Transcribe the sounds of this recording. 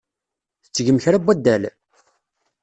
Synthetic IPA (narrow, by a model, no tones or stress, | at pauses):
θət͡sːʝəmçɾæbːæd̪ːæl